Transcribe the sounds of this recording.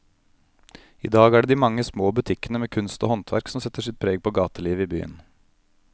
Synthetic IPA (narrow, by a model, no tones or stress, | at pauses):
ḭːd̪ɑːɡæːɖeːd̪iːmɑŋːəsmoːbʉt̪ʰɪkənəmeːkʰʉnst̪o̰ːhɔnt̪ʰʋæ̰ɾksɔmsɛt̪ːəʂɪt̪̚pʰɾeːɡ̚pʰoːɡɑːt̪əliːʋəiːby̰ːə̰n